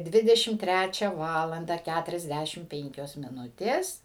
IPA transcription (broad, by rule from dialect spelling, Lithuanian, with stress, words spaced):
ˈdʲʋʲɪdʲɛʃʲɪm ˈtʲrʲæt͡ʃʲɛ ˈʋɑːlˠɐndɐ ˈkʲætʊrʲɛzʲˌdʲæʃʲɪm ˈpʲɛŋʲkʲoːs mʲɪˈnʊtʲeːs